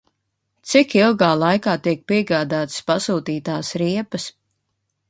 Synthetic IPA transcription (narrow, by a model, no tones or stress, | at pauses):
t̪sikilˠɡaːlˠajkaːt̪iɛk̚piɛɡaːd̪aːt̪spasuːt̪iːt̪aːsɾiɛpɐs